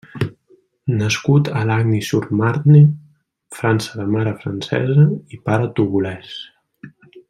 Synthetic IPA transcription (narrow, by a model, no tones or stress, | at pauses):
nəskut̪əlaɣnisuɾmaɾt̪ne | fɾansəðəmaɾəfɾənsɛ̰zəipaɾət̪uɣulɛs